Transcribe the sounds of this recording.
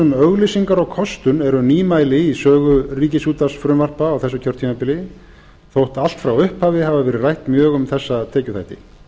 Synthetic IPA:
ʏmœɣlisiŋkaɾɔɣkʰɔst̪ʏnɛɾʏniːmaːjlɪisœːɣʏriːcɪsuːt̪asfɾʏmvar̥paːwθɛsʏcʰœɾ̥t̪ʰiːmapɪlɪ | θowht̪al̥t̪fɾawʏhphaːvɪhavavɛːɾɪɾrajht̪mjœːɣʏmθɛsːaðt̪ʰɛːcʏθajht̪ɪ

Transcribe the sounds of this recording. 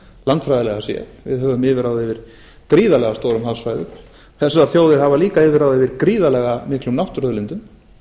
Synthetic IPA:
lant̪fɾajðalɛɣasɛ̰ | vɪ̰ðɦœːvʏmɪːvɪɾawðɪvɪɾ̥ | kɾiːðalɛɣast̪owɾʏmhalsvaːjðʏ̰m | θɛsaaɾ̥θjowðɪɾ̥havaliːkaɪːvɪɾawðɛvɪɾkɾiːðalɛɣamɪhklʏmnawht̪ʏɾœðlɪnt̪ʏm

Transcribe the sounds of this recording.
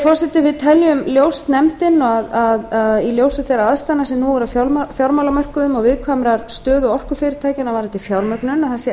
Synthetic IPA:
fɔr̥sɛt̪ɪvɪðt̪ʰɛljʏmljoːwst̪nɛmt̪ɪnːɔɣaðaðailjoːwsɪt̪ejɾaaðst̪anːasɛmnuɣɔɾafafjawɾmawlamœr̥kʏʏmɔɣvɪðkʰvamɾaɾ̥st̪œːðɔɣɔr̥kʏfɪɾɪɾ̥t̪ʰaːjcɪnavaɾɛnt̪ɪfjawɾmœknʏnaθɛsɪ

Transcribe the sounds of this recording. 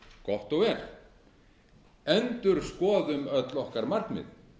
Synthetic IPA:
kɔht̪ɔɣɛɾ̥ | ɛnt̪ʏɾ̥skɔːðʏmœt̪lɔhkaɾmar̥hknmɪ̰ð

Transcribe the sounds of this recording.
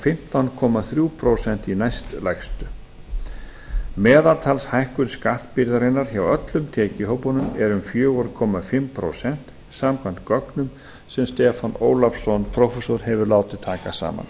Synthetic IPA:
fɪm̥t̪awnkʰɔmaθɾjupʰɾosɛn̥t̪inajst̪lajxst̪ʏ | mɛːðalt̪ʰalshajhkʏɾskat̪pɪɾðaɾɪnːaɾ̥çawœt̪lʏmt̪ʰɛːcɪɦowpɔnʏmɛɾʏmfjœːɣɔɾkʰɔmafɪmpʰɾo̰sɛn̥t̪ | isaːmkʰvant̪kɔknʏm | sɛmst̪ɛːfanoːwlafsɔnpʰɾɔfɛsɔɾ̥hɛvʏɾlaːwt̪ɪt̪ʰaːkasa̰ːma̰n

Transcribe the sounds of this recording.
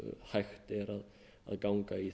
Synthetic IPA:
hajxt̪ɪɾað | a̰ðɡawŋkai

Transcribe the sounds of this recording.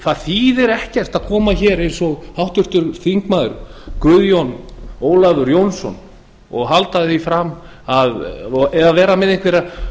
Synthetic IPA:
θaðθiːðɛɾɛhcɛr̥t̪aðkʰɔːmaçɛɾejnsɔɣhawht̪ʏr̥t̪ʏɾθiŋkmaːðʏɾʏkɾʏðjɔnoːwlavʏɾjownsɔ̰n | ɔɣɦalt̪aðɪθifɾam | aðɛðaðvɛːɾamɛðejŋkveɾa

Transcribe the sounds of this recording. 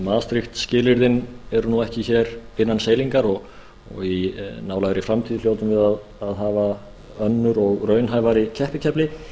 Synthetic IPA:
maːðst̪ɾɪxt̪scɪːlɪɾðɪnɛɾʏnuɛhcɪçɛːɾɪnːanseːjliŋkaɾɔɣ | ɔ̰ɣinaːwlaːɣɾɪfɾamt̪ʰiːðɪljoːwt̪ʏmvɪðað | aðɦaːva | œnːʏɾɔɣɾœːɥnɦaːjvaɾɪcʰɛhpɪcʰɛplɪ

